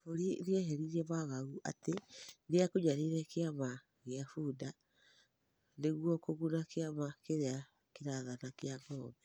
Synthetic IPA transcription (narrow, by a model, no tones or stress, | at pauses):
foɾiɾjeɦeɾiɾɛβaɣauʔa̰tedeakoɲaɾiɾɛkeama | ɣeafuda | neɣwɔkoɣunakeamakeɾea | keɾaðanakeaŋɡɔːmɛ